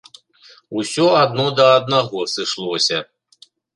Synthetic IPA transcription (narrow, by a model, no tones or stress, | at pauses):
usʲɔad̪nɔd̪ɐːd̪naɣɔsɨʂlˠɔsʲɐ